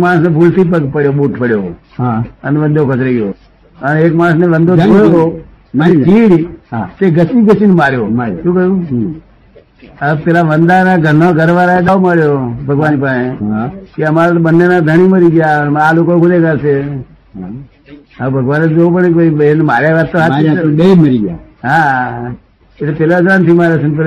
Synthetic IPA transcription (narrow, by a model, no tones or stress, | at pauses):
kmaɳsnebʱult̪ʰipəpəɽjoɓoːʈpəɽjo | əneʋə̃nd̪ʱokət͡ʃɾeɡjoː | əneːkmãñsneʋənd̪od̪ʰooɦo | ənt͡ʃiːɽt̪eɡəsiɡəsinmaːɾjoʃũːkəjũː | əpelaʋənd̪anaɡʱəɾnoɡʱəɾʋaɾaeɗ̪aʋoməɭjobʱəɡʋaːnipaẽkeəmaɾat̪oɓənːenad̪ʱəɽ̃iməɾiɡjaaloːkoɡoleɡəɾse | əbʱəɡʋaːned͡ʒopəɳenmaːɾjaʋat̪t̪ːoɦaeməɾiɡja̰ | ɦã | et̪epeːlad͡ʒɾant̪ʰimaːɾjosənp̬əɾ